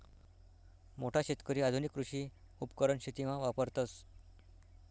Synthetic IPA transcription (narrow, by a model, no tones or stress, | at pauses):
moʈʰaɕet̪kəɾiːad̪ʱunikːɾuɕiː | upkəɾəɳɕit̪iʋãʋapəɾt̪əs